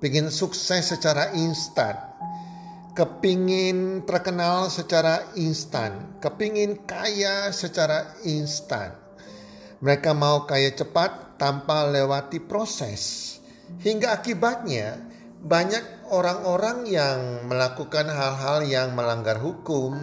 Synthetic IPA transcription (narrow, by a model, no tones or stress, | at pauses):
piŋɪnsuksɛsːət͡ʃaɾaʔinst̪a̰n | kəpiŋɪnt̪ərkənalsət͡ʃaɾainst̪a̰nkəpiŋɪnkajasət͡ʃaɾa | inst̪a̰n | məɾekamaukajat͡ʃəpat̪ːampalewat̪ipɾosɛ̰s | hiŋɡaːkibat̪̚ɲa | baɲak̚oɾaŋoɾaŋjaŋməlakukanɦalɦaljaŋməlaŋɡarɦukʊm